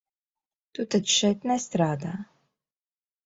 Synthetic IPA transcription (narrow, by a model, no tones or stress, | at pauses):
t̪ut̪at̪ʃɛjt̪nɛst̪ɾaːd̪aː